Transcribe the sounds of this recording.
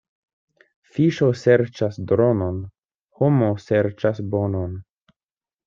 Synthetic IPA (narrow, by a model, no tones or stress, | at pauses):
fiʃoseɾt͡ʃasdɾo̞non | homoseɾt͡ʃasbo̞non